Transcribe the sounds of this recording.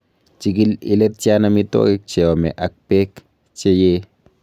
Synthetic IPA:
t͡ʃik̬ilḭlet̪̚t͡ʃjanamit̪o̰kik̚t͡ʃewomḛʔak̚pek | t͡ʃeje

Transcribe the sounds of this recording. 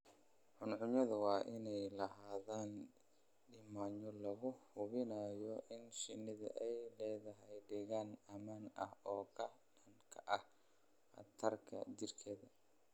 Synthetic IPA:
ʕʊnʕʊmjɐðʊwɑːʔɪnɛjlɐhaːðaːn | ɖɪmaːɲɔlɐɣʊhʊβɪnɐjɔʔɪnʃɪnːɪðɐ̰ʔɛjlɛːðɐɦɛjɖɪɣaːnɐmaːnɐhɔːkʰɐɖɐŋkʰɐʔɐh | ɐ̰t̪ʰɐrkʰɐ̰dɪrkʰɛðɐ

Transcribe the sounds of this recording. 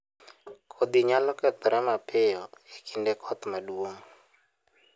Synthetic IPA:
kʰod̪iɲalɔkɛt̪̚pɛɾɛmapɪjɔekʰindɛkʰɔt̪madwoŋ

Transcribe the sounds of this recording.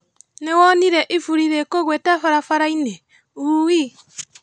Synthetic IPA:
newɔniɾɛʔifuɾiɾekoɣwɛtafaɾafaɾainɛ | uːwi

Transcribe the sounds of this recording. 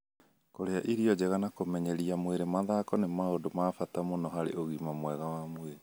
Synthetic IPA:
koɾeaʔiɾiɔd͡ʑeɣanakomɛɲɛɾiamweɾemaðakɔnemaodomaːfatamonɔɦaɾḛʔoɣimamwɛɣawamweɾe

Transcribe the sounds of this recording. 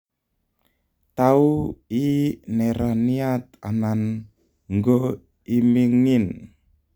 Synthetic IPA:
t̪auinɛɾaniat̪̚a̰nan | ŋɡo | imiŋin

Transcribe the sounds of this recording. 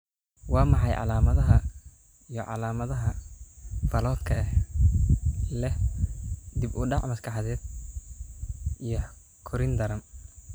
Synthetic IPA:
wɑːmɑħɑjʕɑ̰laːmɐðɐɦɐ | ijɔʕɑ̰laːmɐðɐɦɐ | fɐlɔːd̪kʰɐɛ | lɛh | d̪ibʊɖɑʕmɐskʰɑħɑðɛːd̪̥̚ | ijɔ | kʰʊɾɪnd̪ɐɾɐm

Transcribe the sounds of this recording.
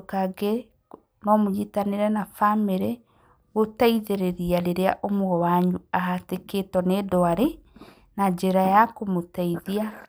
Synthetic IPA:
kaɡe | nɔmoɲitaneɾɛnafameɾɛ | ɣotaiðeɾeɾiaɾeɾea̰ʔomwɔwaɲuahateketɔnedɔaɾe | nad͡ʒeɾajakomotaiðia

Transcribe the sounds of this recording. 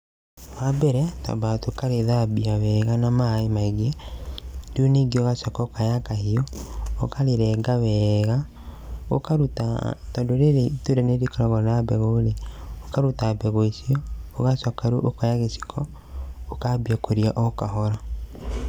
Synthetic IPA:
wabɛɾɛta̰batokaɾeðabiawɛɣanamaemaiɡɛ | duneɡiɔɣasɔkaokajakahiɔ̰ːkaɾeɾɛɡawɛːɣa | o̰kaɾuta̰tɔdoɾeɾetoɾɛneɾikɔɾɔɣɔɾɾabɛɣoːleokaɾutabɛɣoisiɔːɣasɔkaɾuʔokajaɣesi̥kʰɔ | okabiakoɾiaʔokaɦɔɾa

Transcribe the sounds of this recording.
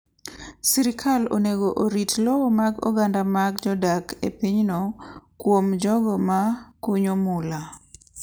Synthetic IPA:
siɾikʰalo̰neɡoʔoɾitlɔmaɡo̰ɡandamaɡd͡ʒɔdakʰḛpiɲnɔkwomd͡ʒɔɡɔmakuɲomula

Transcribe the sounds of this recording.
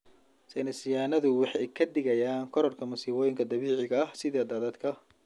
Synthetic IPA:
sɛjnɐsɪjaːnɐðʊwɑħɑjkʰɐd̪ɪɣɐjaːnkʰɔɾɔrkʰɐmʊsiːβɔːjɪŋkʰɐd̪ɐβiːʕɪɣɐɐhsɪðɛːd̪aːðɐd̪kʰɐ

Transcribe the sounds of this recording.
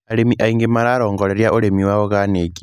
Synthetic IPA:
aɾemiʔaiŋɡemaɾaɾoːŋɡoleɾjaʔuɾemiwawoɣaneɡi

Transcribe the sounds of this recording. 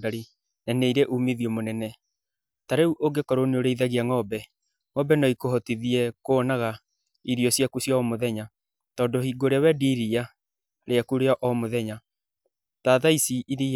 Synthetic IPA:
daɾi | naneiɾɛʔumeðiɔmonɛnɛ | taɾeuʔoɡekɔɾoneoɾeiðaɣiaŋɔbɛ | ŋɔbɛnɔikoɦɔtiðiɛkoːnaɣa | iɾiɔsjakusjaɔmoðɛɲa | tɔːndohiːɡoɾeawɛdiːɾia | ɾeakuɾeaʔɔmoðɛɲa | taðaisiʔiði

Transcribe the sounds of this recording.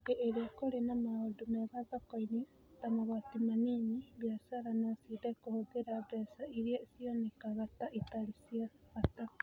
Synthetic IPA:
ɡeʔeɾeakoɾenamaodumeβaðakoini | tamaβatimaniniβjasaɾanasidekohoɡeɾabɛsaiɾiasionekaɣataʔitaɾisiaɣata

